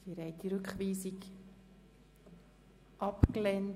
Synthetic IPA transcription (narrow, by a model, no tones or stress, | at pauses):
d̥iɾɛɪtiɾʏkχʋiːsik | ʔɑpklɛn